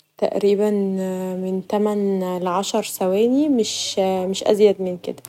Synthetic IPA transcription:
t̪æ̰ʔɾiːbænment̪æmænlʕɑʃɑɾˤsæwæːnimeʃmeʃʔæ̰zjæd̪menkḛd̪æ

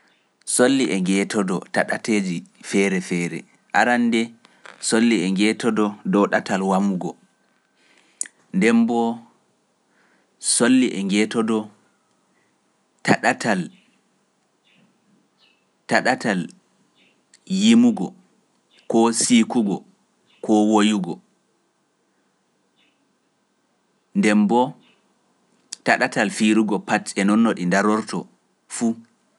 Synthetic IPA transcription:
solːiʔɛŋɡɛtɔdɔtaɗateːd͡ʒifɛːɾɛfɛːɾɛ̰ | ʔaɾandɛ | solːiɛŋɡɛtɔdɔdɔɗatalwamuɡɔ | ndɛmbɔ | solːiʔɛŋɡɛtɔdɔ | taɗatʰal | taɗatal | jimuɡɔ̰ | kɔsikuɡɔ̰ | kɔwojuɡɔ | ndɛmbɔ | taɗatalfiɾuɡɔpatɛnɔnːɔɗindaɾɔɾtʰɔ | fu

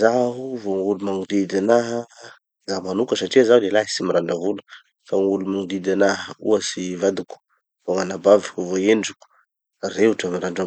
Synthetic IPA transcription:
zaɦuvoŋulumaŋud̪id̪anaɦə | zamanukəsaʈ͡ʂiəzaulelaɦisimiɾaɳɖ͡ʐavulu̥ | faŋulumaŋud̪id̪anaɦəṵəsivad̪uku̥ | voŋanabavi̥uvoend͡ʒuku̥ | reuʈ͡ʂamiɾaɳɖ͡ʐa

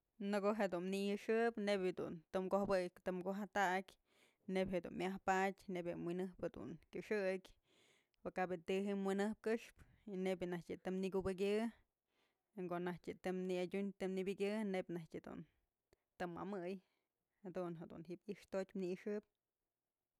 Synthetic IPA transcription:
nɨkoɦed̪unnijɨʂɨpnebʲad̪ṵnt̪ɨmkohbɨkt̪ɨmkoɦat̪akʲ | nebʲɦed̪ṵnmʲahpatʲnebʲmwinɨhped̪ṵnkʲuʂɨkʲ | wɨkabjɨt̪ɨɦimwinɨhp̚kɨʂp | inebʲjɨnahtʲɨt̪ɨmnikubɨk̬ʲɨ | ŋkoʔnahtʲɨt̪ɨmniadʲuɲt̪ɨmnibʲɨkʲɨnebʲnahtʲed̪ṵn | t̪ɨmːa̰mɨj | had̪unɦed̪ṵnɦiʔbiʔʂt̪otʲmniɨʂɨp̚

